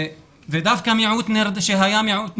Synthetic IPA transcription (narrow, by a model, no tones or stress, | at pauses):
ðed̪afkamjʕuːt̪nɪɾd̪ʃiɦajamjʕuːt̪